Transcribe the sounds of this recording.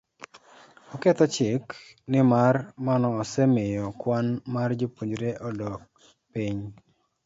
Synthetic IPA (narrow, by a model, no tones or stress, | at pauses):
ɔkɛt̪ɔt͡ʃɪk | nɪmarmanɔːsɛmɪjɔkwanmard͡ʒopoɲd͡ʒɾeʔɔdɔk̚ | piɲ